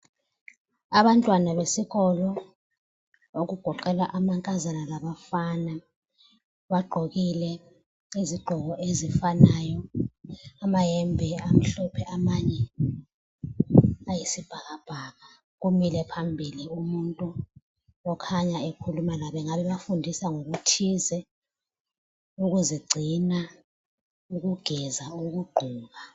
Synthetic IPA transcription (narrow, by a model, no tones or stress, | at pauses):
aɓantʼwanaɓesiɣɔlɔ | ok̬uɡ̥ʱɔǃɛlaʔamaŋkʼazanalaɓafana | ɓaɡ͡ǃʱok̬ilɛ | iziɡ͡ǃʱɔɣɔʔezifanajɔ | amajɛmbʱɛam̩ɬɔpʰɛʔamaɲɛ | ajisib̥ʱak̬ab̥ʱaːɣa | k̬umilɛpʰambʱiliumuntʼu | ɔkʰaɲaekʰulumalaɓɛŋaɓɛɓafundʱisaŋok̬utʰizɛ | uk̬uziɡ͡ǀʱina | uk̬uɡ̥ʱɛzauk̬uɡ͡ǃʱuːk̬a